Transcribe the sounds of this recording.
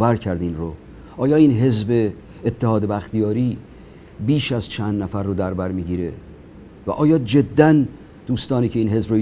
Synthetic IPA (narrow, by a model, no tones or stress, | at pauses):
væɾcʰæɾd̪inɾo | ʔɒːjɒːiːnɦe̞zbeː | t̪ʰːehɒːd̪ebæxt̪ijɒːɾiː | biːʃæzt͡ʃʰænd̪næfæɾːod̪æɾbæɾmiːɟiːɾe | væ̰ʔɒːjɒːd͡ʒe̞d̪ːæn | d̪̥uːst̪ɒːniːcʰe̞iːnɦe̞zbɾo